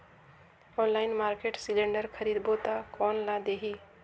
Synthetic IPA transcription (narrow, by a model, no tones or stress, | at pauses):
ɔ̃nlaɪnmaɾkeʈsilẽɳɖəɾkʰəɾid̪bot̪akɔnlad̪eɦi